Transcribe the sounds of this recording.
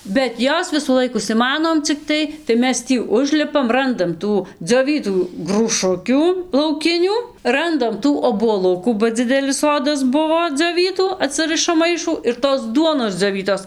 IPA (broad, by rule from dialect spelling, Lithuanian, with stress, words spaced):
bʲɛt ˈjoːs ʋʲɪsuːˈlˠɐɪk ʊʃʲsʲɪˈmɑːnoːm t͡sʲɪkˈtɐɪ tɐɪ ˈmʲɛs ˈtʲiː ˈʊʒʲlʲɪpɐm ˈrɐndɐm ˈtuː d͡zʲoːˈʋʲiːtuː ɡruːˈʃʊkʲuː lˠɐʊˈkʲɪnʲuː ˈrɐndɐm ˈtuː oːbuɔˈlˠʊkuː bɐ ˈd͡zʲɪdʲɛlʲɪs ˈsoːdɐs ˈbʊʋoː d͡zʲoːˈʋʲiːtuː ɐˈtsɨrɨʃɐm ˈmɐɪʃuː ɪr toːs ˈduɔnoːs d͡zʲoːˈʋʲiːtoːs